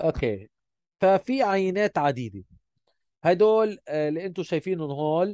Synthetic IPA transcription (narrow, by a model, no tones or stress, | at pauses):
ʔokḛː | fafiʕajːɪneːt̪ʕad̪iːd̪e | hajd̪oːllːiʔɪnt̪ʊʃajfiːnʊnɦoːl